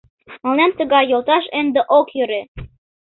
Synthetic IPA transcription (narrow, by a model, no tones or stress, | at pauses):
mɑlnɑmt̪ə̆ɣɑjjːolt̪ɑʃend̪ĕʔokjøɾe